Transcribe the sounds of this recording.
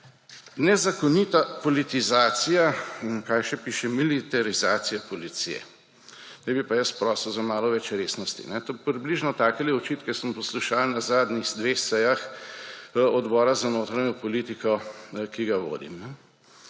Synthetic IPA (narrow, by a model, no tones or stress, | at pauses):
nɛzakɔnit̪apɔlit̪izaːsijainkajʃɛpiːʃɛmilit̪aɾizaːsijapɔlit̪sḭjɛ̰ | nɛjbipajəspɾɔːsəzamaːlɔʋɛt͡ʃɾeːsnɔst̪ḭnɛt̪opɾibliʒnɔt̪aːkɛliɔt͡ʃiːt̪kɛsəmpɔsluʃalnazaːd̪nixd̪ʋeːxsɛjax | ɔd̪bɔːɾazanoːt̪ɾaɲjɔpɔlit̪ikɔkiɡaʋo̰ːd̪ḭmnɛ